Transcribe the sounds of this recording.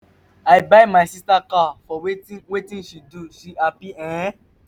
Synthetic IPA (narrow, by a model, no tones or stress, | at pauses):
aɪbajmaɪsistakafɔwewetĩnʃiduʃiapiɛ̃